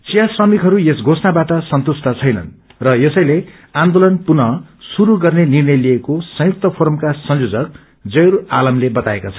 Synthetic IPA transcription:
t͡sijasrʌmikɦʌɾuesɡʱosʰnabaʈʌsʌnt̪ust̪ʌt͡sʰʌjnʌ̰n | rʌjesʌjle | ãnd̪olʌnpunʌsuɾuɡʌrnenirnʌjliekosʌ̃juk̚t̪ʌpʰoɾmkasʌnjod͡zʌk̚ | d͡zʌjɾalʌmlebʌt̪aekat͡sʰʌ

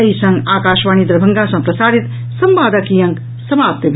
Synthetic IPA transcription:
ɐɦisɐ̃ŋɡaːkaːʃʋaːnid̪ɾəbʱɐŋɡasɐ̃pɾɐsaːɽit̪ | sɐmbaːd̪əkijɐŋk | sɐmaːp̚t̪jɐb

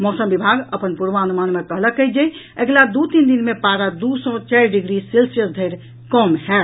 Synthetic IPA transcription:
mɔsəmbibʱaɡəpənpuɾʋaənumanmekəɦləkɛjd͡ʒɛj | eɡlad̪ut̪ind̪inmepaɾad̪usɔ̃t͡ʃɛɾɖiɡɾiselsiəsd̪ʱəɪɾ | kɔmɦɛ

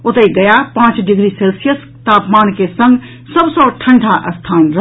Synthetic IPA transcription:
ot̪əɡəjapãːt͡ʃɖiɡɾiselsijəs | t̪aːpmaːnkesə̃ŋɡ | səbsə̃ʈʰə̃ɳɖʱaʔəst̪ʰaːnɾə

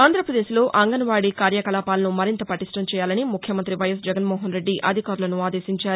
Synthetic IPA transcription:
aːnd̪ɾɐpɾɐd̪e̞ːʃlo̞ːʔɐŋɡɐnɐʋaːɽikaːɾjɐkɐlaːpaːlɐnumɐɾint̪ɐpɐʈiʂʈɐmt͡ʃɛːjaːlɐnimukʰjɐmɐnt̪ɾiʋɐjɐs̬d͡ʒɛɡɐnmɔːɦɐnɾe̞ɖːiʔɐd̪ʱikaːɾulɐnuaːd̪e̞ːʃiɲt͡ʃaːɾu

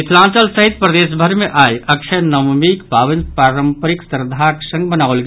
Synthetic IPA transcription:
ɪsʰlãːt͡ʃəlsəɦɪt̪̚pɾəd̪eːʃ̬bʱəɾmẽʔaːiɐkʃʰənɐmmikpaːʋɪnpɾaːɾəmpɾɪksəɾd̪ʱaksə̃ŋɡbənaːʋʊlɡ

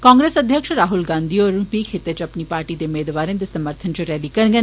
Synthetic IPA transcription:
kãːŋɡɾeːsəd̪ʱjəkʃɾaːɦʊlɡãːnd̪iɔːɾupiːkʰeːt̪et͡ʃɐpnipaːɾʈiːd̪eʊmeːd̪ʋaːɾẽd̪eːsəməɾt̪ʰənt͡ʃɾɛːlikɐɾɡən

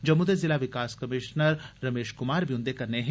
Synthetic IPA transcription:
d͡ʒɐmud̪əzɪlaʋɪkaːskɐmɪʃnəɾːɐmeːʃkʊmaːɾbʱjʊ̃nd̪ekɐɾneɦ

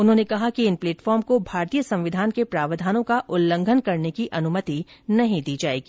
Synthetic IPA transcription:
ʊnɦõːnekɐɦakiɪnpleːʈfɔːɾmkobʱaːɾt̪ijəsɐ̃mʋɪd̪ʱaːnkepɾaːʋəd̪ʱaːnõkaʔʊlːə̃ŋɡʱənkɐɾnekiʔɐnʊmət̪inɐɦĩd̪iːd͡ʒaːḛːɡi

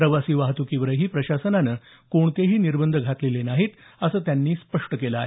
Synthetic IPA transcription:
ɾəʋasiːʋaɦt̪ukiʋɾəɦiːpɾəɕasənanəː | koɳt̪eɦiːniɾbənd̪ʱəɡʱat̪lelenaɦiːt̪əsəːt̪janːiːspəʂʈəkelaḛ

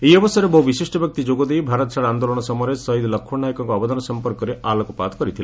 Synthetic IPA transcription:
ejɔbɔsaɾebɔubiseʃʈɔbjɔk̚t̪id͡ʒoɡɔd̪ejbʱaɾɔt̪ɔsʰaɽand̪olɔɽ̃ɔsɔmɔjɾesɔɦid̪lɔkʰːunajkɔŋkɔɔbɔd̪ʱɔnɔsɔmpɔɾkɔɾeʔalɔkɔpat̪ʰɔ̥kɔɾit̪ʰile

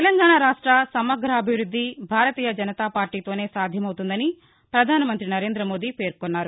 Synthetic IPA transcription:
ɛlɐŋɡaːɳaːɾaːʂʈɾɐsɐmɐɡʱɾɐːbʱiʋɾud̪ʱːibʱaːɾɐt̪iːjɐd͡ʒɐnɐt̪aːpaːɾʈiːt̪o̞ːne̞ːsaːd̪ʱjɐmɐwt̪und̪ɐni | pɾɐd̪ʱaːnɐmɐnt̪ɾinɐɾe̞ːnd̪ɾɐmo̞ːd̪iːpe̞ːɾkonːaːɾu

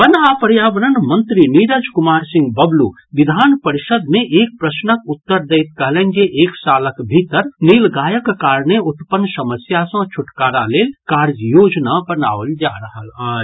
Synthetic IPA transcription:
bənapɾjabəɾənmənt̪ɾiniɾəd͡ʒkumaɾsĩŋɡbəblu | ʋid̪ʱanpəɾisəd̪ʱmeʔek̚pɾəsnəkut̪ːəɾd̪əjt̪̚kəɦlend͡ʒeʔeksaləkbʱit̪əɾnilɡajəkkaɾneut̪pənːsəməsjasə̃t͡ʃʰuʈkaɾalelkaɾd͡ʒjod͡ʒnabəna̰ʋəld͡ʒaɾəɦəlaːd͡ʒ

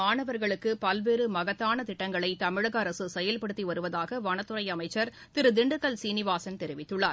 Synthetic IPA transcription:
aːɳɐʋɐɾɣɐɭɯkːɯpɐlʋeːɾɯmɐɣɐt̪ːaːnɐt̪ɪʈːɐŋɡɐɭɐɪt̪ɐmɪɻɐɣɐːɾɐsɯsɛjɐlpɐɽɯt̪ːiʋɐɾɯʋɐðaːɣɐʋɐnɐt̪ːɯɾɐɪjɐmɐɪt͡ʃːɐɾ | t̪ɪɾɯd̪ɪɳɖɯkːɐlsiːnɪʋaːsɐnt̪ɛɾɪʋɪt̪ːɯɭːaːɾ

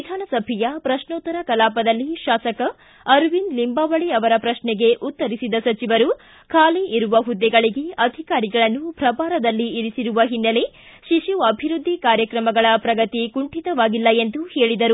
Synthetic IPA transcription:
d̪ʱaːnɐsɐbʱijɐpɾɐʃnɔːt̪ːɐɾɐkɐlaːpɐd̪ɐlːiʃaːsɐkɐ | ɐɾʋinlimbaːʋɐɭiɐʋɐɾɐpɾɐʃnɛɡe̞ʔut̪ːɐɾisid̪ɐsɐt͡ʃiʋɐɾu | kʰaːleʔiɾuʋɐɦud̪ːɛɡɐɭiɡeɐd̪ʱikaːɾiɡɐɭɐnːubʱɾɐbaːɾɐd̪ɐlːiːɾisiɾuʋɐɦinːɐle | ʃiʃjuɐbʱiɾud̪ʱːikaːɾjɐkɾɐmɐɡɐɭɐpɾɐɡɐt̪ikuɳʈit̪ɐʋaːɡilːɐend̪uheːɭid̪ɐɾu

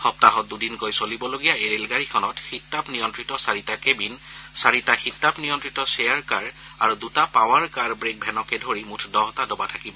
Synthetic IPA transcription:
xɔp̚taɦɔt̚dudinkojsolibɔloɡijaeɹelɡaɹikʰɔnɔtxitːapnijɔntɹitɔsaɹitakebinsaɹitaxitːapnijɔntɹitɔsejaɹkaɹ | aɹudutapaw̃aɹkaɹbɹek̚bʱɛnɔkɛdʱoɹimutʰdɔɦɔtadɔbatʰakibɔ

